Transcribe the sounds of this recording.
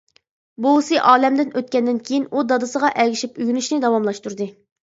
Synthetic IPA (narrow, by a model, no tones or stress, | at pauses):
busɨʔɑːlɛmd̪ɪnøt̪̚kʲɛnd̪ɪnkʲʰejinud̪ɑd̪ɨsəʁɑʔɛɡʲiʃipyɡʲynyʃnɪd̪ɑwɑmlˠɑʃt̪uɾd̪ɨ